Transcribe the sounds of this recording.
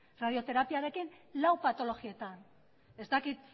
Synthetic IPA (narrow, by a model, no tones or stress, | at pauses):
rað̞io̞t̪e̞ɾapiaɾe̞kinlawpat̪o̞lo̞ɣie̞t̪an | e̞zt̪akit̪̚